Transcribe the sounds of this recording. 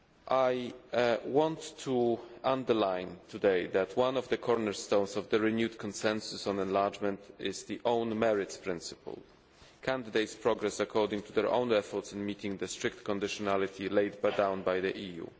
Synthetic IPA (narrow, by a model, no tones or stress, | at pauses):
ʔaj | wɔ̃ntʰːuʔãnd̪əɹlãjnt̪ʰud̪ejðæt̪ʰwãnɔvd̪əkʰɔɹnɛɹst̪õwnsɔvd̪əɹinjut̪kʰɔ̃nsɛ̃nsʊsɔ̃nɛ̃nlaɹd͡ʒmɛ̃nt̪ɪzd̪iʔõw̃nmɛɹɪtspɹɪ̃nsɨ̥pʰə̰l | kʰãnd̪ɪd̪ejtspɹɔɡɹɛsakʰɔɹdɪ̃ŋt̪ud̪ɛɹʔõ̰w̃nɛfɔɹtsɛ̃nmit̪ɪ̃ŋd̪əst̪ɹɪkt̪kɔ̃nd̪ɪʃɔnalit̪ʰilejdbadãw̃nbajðiʔijṵ